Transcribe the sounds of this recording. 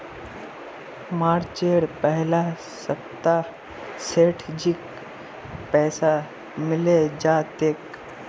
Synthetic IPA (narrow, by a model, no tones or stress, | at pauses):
maːɾt͡ʃeːɽpəɦla | səpt̪ːaɾ | seːʈʰd͡ʒik | pɛːsa | mɪled͡ʒaːt̪eːk